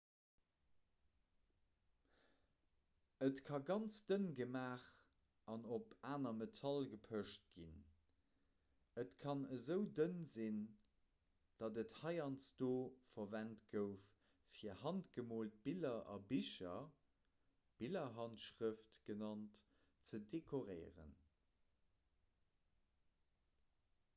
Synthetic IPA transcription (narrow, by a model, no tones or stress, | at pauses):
ətkʰɑɡɑnt͡sd̥ənɡəmaːχ | ɑnopaːnɐmetʰɑlɡəpʰəʃt̚ɡ̥in | ətkʰɑnəzəʊdənzin | d̥ɑdəthɑɪɑnsd̥oːfɐvæntɡ̥əʊf | fiɐhɑntɡ̥əmoːlt̚b̥ilɐʔɑ̰biʃɐ | b̥ilɐɦɑntʃʁəftɡ̥ənɑnt | t͡sədekʰoʁəɪʁə̰n